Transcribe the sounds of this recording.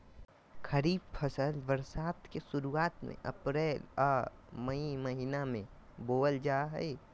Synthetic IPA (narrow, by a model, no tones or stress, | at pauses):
kʰəɾiːb̚pʰəsəlʋəɾsaːt̪kesʊɾuaːt̪mḛ̃ʔə̰pɾeːlɔməiməɦinamẽ | boːəld͡ʒaːɦɛ̰e